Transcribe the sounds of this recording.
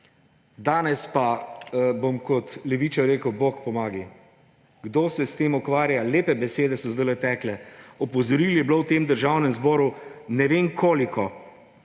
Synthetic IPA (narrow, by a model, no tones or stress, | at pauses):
d̪aːnɛspabomkɔt̪lɛʋit͡ʃaɾeːkəwboːkpɔmaːɡi | ɡd̪oːsɛst̪eːmukʋaːɾjaleːpɛbɛseːd̪ɛsɔzd̪əlɛt̪ɛːklɛɔpɔzɔɾiljɛblowt̪eːmd̪əɾʒawnɛmzbɔːɾunɛʋeːnkʰoːlikɔ